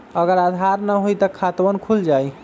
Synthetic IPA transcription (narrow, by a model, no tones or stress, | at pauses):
əɡəɾad̪ʱaɾnəɦojt̪əkʰat̪ʋənkʰuld͡ʒaj